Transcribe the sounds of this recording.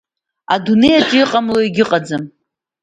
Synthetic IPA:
adune̞jaʈ͡ʂʼɪiqʼamloiɡʲɪqʼad͡zɨm

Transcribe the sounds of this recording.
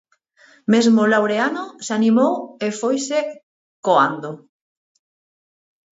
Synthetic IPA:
mezmolawɾeanosanimowefojse | koand̪o

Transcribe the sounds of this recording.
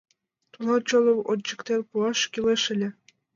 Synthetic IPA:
t̪ulɑt͡ɕolˠɤwot͡ɕːɤ̆kt̪erʲpuɑʃkʲileʃɘ̆lʲɘ̆

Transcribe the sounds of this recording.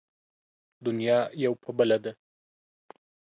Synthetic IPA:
d̪ʊnjɑjawpʰəbəlad̪a

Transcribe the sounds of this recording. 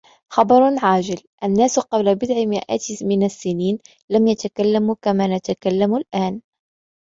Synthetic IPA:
xɑbɑɾˤʕaːd͡ʒɪlʔanːaːsqɑblabɪd̪ʕɪmɪʔa̰ːt̪mɪnasːɪniːn | lamjat̪akalːamukamaːnat̪akalːamʊlʔaːn

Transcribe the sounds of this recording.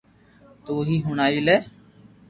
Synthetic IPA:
t̪oːɦiːɦʊnaːiːlɛː

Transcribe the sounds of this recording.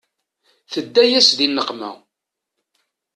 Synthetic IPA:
θəd̪ːæjæsðinːəqmæ̰

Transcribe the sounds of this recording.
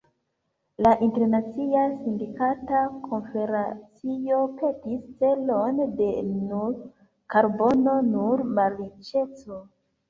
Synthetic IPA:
laʔinte̞ɾnat͡siasindikatakʰo̞nfe̞ɾat͡siope̞tist͡se̞lo̞nde̞nuɾ | kaɾbo̞nonuɾmalit͡ʃe̞t͡so̞

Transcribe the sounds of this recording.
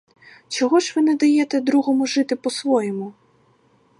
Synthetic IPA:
t͡ʃɔɦɔʒʋɪnɛd̪ɐjɛt̪ɛd̪ɾuɦɔmʊʒɪt̪ɪpɔsʋɔjɛmʊ

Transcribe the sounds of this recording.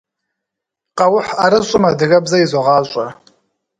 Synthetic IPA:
qʼɑwʊħaɾɨɕʷʼʊmɐdɨɣɐbzɐjizʷoʁɑːɕʷʼa

